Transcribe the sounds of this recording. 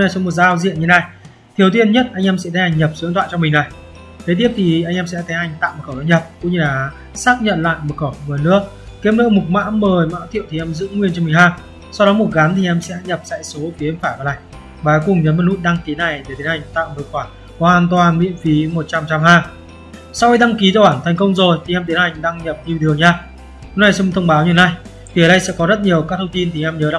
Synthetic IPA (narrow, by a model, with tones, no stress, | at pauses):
na˨˩jsŋ͡mmo˨˩t̚zaː˧wzḭ˧˨ənɲɨ˧˩na˧˩j | t̪ʰi˨˩əwt̪i˧ənɲə˦˥t̚ʔa˧jŋ̟ʔɛ˧msɛ̰˧˥t̪ʰha˧˩jŋ̟ɲə˨˩p̚su˨˦ŋt̪wa̰ː˧˨t͡ɕɔ˧mï˨˩ŋ̟na˨˩j | t̪ʰe˨˦t̪i˦˥əp̚t̪ʰi˨˩ʔa˧ŋʔɛː˧msɛ̰˧˥k̪ɛ˨˦ha˨˩jŋ̟t̪a̰ː˧˨mo˨˩xəː˧˩za˧˩ɲə˨˩p̚kʊ̰˧˥ŋ͡mɲɨ˧laː˨˩˦ | saː˦˥k̚ɲə̰˧˨nla̰ː˧˨jmo˨˩t̚xə˧˩wvəː˨˩nɨ̰˧˥ək̚ | ki˨˦əmnɨ̰˧˥mʊ˨˩k̚ma̰ː˧˥wməː˨˩jma̰ː˧˥t̪ʰḭ˧˨əwt̪i˨ʔɛ˧mzɨ̰˧˥ŋwi˧ənt͡ɕm˨˩hɦaː˧˩ | sa˧wɗɔ˨˦mo˨˩t̚ɣa˨˦nt̪ʰi˨˩ʔɛ˧msɛ̰˧˥ɲə˨˩p̚sɛ̰˧˥jso˨˦ki˨˦əmfaː˧˩kɔ˨˦laː˧˨j | vaː˨˩˦kʊ˨˩ŋ͡mɲə˨˦nmə˨˩hu˦˥t̚ɗa˧ŋki˨˦na˨˩jɗ̪e˨˩t̪ʰi˨˦nha˨˩jŋ̟t̪a̰ː˧˨mɨ˨˩kwaː˧˩ | hɔ˨whaː˧˩nt̪waː˨˩nmḭ˧˨ənfi˨˦mo˨˩t̚t͡ɕa˧mt͡ɕa˧mhaː˧ | sa˧wxi˧ɗ̪a˧ŋki˨˦zɔ˧waː˧˩nt̪ʰa˨˩jŋ̟kə˧wŋ͡mzo˨˩jt̪ʰi˨˩ɛ˧mt̪i˨˦nha˨˩jŋ̟ɗaː˧ŋɲə˨˩p̚t̪i˧wɗɨ˨˩əŋɲaː˧ | hʊ˧˥na˨˧˩jsɛ˧t̪ʰə˧wŋ͡mɓaː˨˦wɲi˧˨˩na˧j | vi˨˩ə˨˩ɗjsɛ̰˧˥kɔ˨˦zə˦˥t̚ɲi˨˩əwkaː˦˥k̚t̪ʰə˧ŋ͡mt̪i˧nt̪ʰi˨˩ʔɛ˧mɲəː˨˦a˧